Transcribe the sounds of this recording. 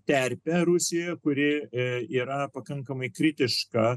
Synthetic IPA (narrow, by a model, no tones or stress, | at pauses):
t̪ʲɛɾʲpʲɛɾʊsʲɪjɛkʊɾʲɪiːɾɐpɐkɐŋkɐmɐɪkɾʲɪt̪ʲɪʃkɐ